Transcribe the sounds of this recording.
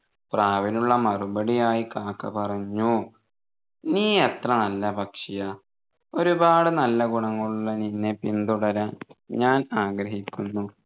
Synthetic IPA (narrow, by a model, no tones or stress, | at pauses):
praːʋinuɭːɐmɐrubɐɽijaːjikaːkːɐ̰pɐrɐɲːu | niːet̪rɐnɐlːɐbɐkʂijɐ | o̞ɾubaːɽɨnɐlːɐɡuɳɐŋːɐɭuɭːɐninːe̞pind̪uɽɐɾɐɲaːnaːɡɾɐɦikʲːunːu